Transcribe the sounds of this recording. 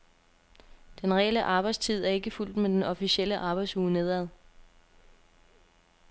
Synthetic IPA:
d̥enʁɛeləʔɑ̈ːb̥ɑ̈ɪdst͡sʰið̞̰ˠæɐe̝ɡ̥əful̰d̥med̥enɒ̽fiɕiel̰əʔɑ̈ːb̥ɑ̈ɪd̥suːne̝ð̞ˠæðˠ

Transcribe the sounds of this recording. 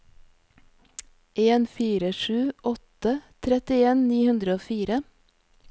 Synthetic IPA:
ʔeːnfiːɾəʃʉːʔɔt̪ət̪ʰɾɛt̪ɪeːnniːhʉnd̪ɾəoːfiːɾə

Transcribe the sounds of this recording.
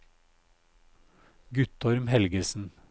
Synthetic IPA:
ɡʉt̪ɔɾmhɛlɡəsn̩

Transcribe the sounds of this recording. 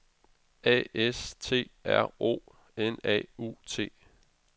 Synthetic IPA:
ɛ̰ːest͡sʰe̝̰ːæɐ̰o̝̰ː | enɛ̰ːṵːt͡sʰe̝̰ː

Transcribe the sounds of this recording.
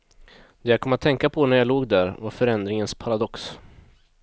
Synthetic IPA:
d̪̥ɛjakʰɔmːat̪ʰːɛŋkapʰɔnæɾjaloːɡd̪æɾvaɾfœɾɛnd̪ɾɪŋənspʰaɾad̪ɔks

